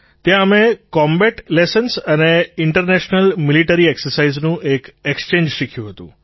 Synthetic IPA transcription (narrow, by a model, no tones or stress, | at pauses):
t̪jãəmekɔmbɛʈlejsənsəneɪɳʈəɾneʃnəlmiliʈəɾieksəɾsaiznũʔekekst͡ʃẽɲd͡ʒʃikʰjũɦət̪ṵ̃